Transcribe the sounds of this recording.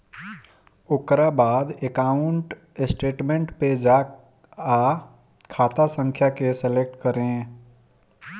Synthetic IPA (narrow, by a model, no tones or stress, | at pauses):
okɾabaːd̪ekaʊɳʈ | sʈeːʈmẽɳʈped͡ʒaːk | a | kʰaːt̪asə̃ŋkʰjakeselek̚ʈkəɾẽ